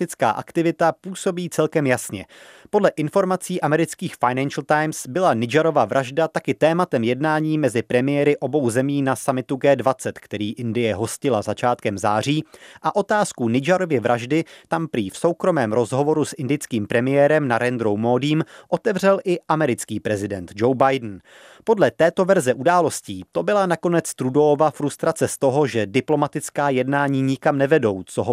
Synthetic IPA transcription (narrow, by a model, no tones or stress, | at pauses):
t̪ɪt͡ska̰ːʔa̰kt̪ɪvɪt̪apuːso̞biːt͡sɛlkɛmjasɲɛ̰podlɛʔɪnfo̞ɾmat͡siːʔamɛɾɪt͡skiːxfajnɛnʃl̩t̪ajmsbɪlanɪd͡ʒaɾo̞vavɾʔaʒdat̪akɪt̪ɛːmat̪ɛmjɛdnaːɲiːmɛzɪpɾɛmɪjɛɾɪʔo̞bo̞wzɛmiːnasamɪt̪uɡɛːdvat͡sɛt̪kt̪ɛɾiːʔɪndɪjɛɦo̞scɪlazat͡ʃaːt̪̚kɛmzaːr̝iːʔaʔo̞t̪aːskunɪd͡ʒaɾovjɛvɾʔaʒdɪt̪ampɾiːfso̞wkɾo̞mɛːmɾo̞zɦo̞vo̞ɾusʔɪndɪjt͡skiːmpɾɛmɪjɛːɾɛmnaɾɛnd̪ɾo̞wmoːdiːmʔo̞t̪ɛvr̝ɛlʔɪʔamɛɾɪt͡skiːpɾɛzɪdɛnt̪d͡ʒowbajdn̩ | po̞dlɛt̪ɛːt̪o̞vɛɾzɛʔudaːlo̞sciːt̪o̞bɪlanako̞nɛt͡st̪ɾudo̞ovafɾust̪ɾat͡sɛst̪o̞ɦo̞ʒɛdɪplo̞mat̪ɪt͡skaːjɛdnaːɲiːɲɪkamnɛvɛdo̞wt͡soɦo